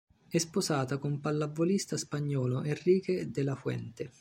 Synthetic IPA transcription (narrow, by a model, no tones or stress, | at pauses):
ɛsposaːt̪akompalːavːolist̪aspaɲːɔːloʔerːiːked̪ɪlafwɛ̰nt̪e